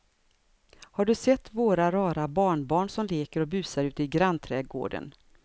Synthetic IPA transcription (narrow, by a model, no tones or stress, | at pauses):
haɖɵsɛt̪ːvoːɾaɾɑːɾabɑːɳbɑːɳsɔmleːkəɾɔbʉ̟ːsaɾʉ̟ːt̪əɪɡɾant̪ʰɾɛːɡo̰ːɖə̰n